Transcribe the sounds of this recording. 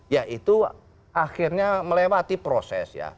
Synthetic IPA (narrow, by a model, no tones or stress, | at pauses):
jaʔit̪u | axirɲaməlewat̪ipɾosɛ̰sja̰